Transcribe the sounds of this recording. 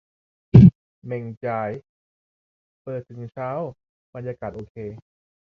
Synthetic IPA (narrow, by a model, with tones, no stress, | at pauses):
me˧ŋt͡ɕaː˧j | pɤː˨˩t̪ʰːɯ˩˦ŋt͡ɕʰaː˦˥˩w | ba˧njaː˧kaː˨˩t̪̚ʔoː˧kʰeː˧